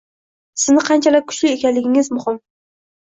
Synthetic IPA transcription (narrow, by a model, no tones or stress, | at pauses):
sɪznɪqʰɑnt͡ʃʰalɪk̚ʲkʰʊ̥t͡ʃʰlɪekʲanlɪɡʲɪŋɪzmʊhɪm